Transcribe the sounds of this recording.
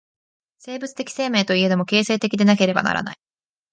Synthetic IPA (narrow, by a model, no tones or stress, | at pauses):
se̞ːbɯ̟t͡sɨ̥t̪e̞kʲi̥se̞ːme̞ːt̪o̞ie̞d̪emo̞ke̞ːse̞ːt̪e̞kʲid̪e̞nake̞ɾe̞ba̰na̰ɾa̰na̰i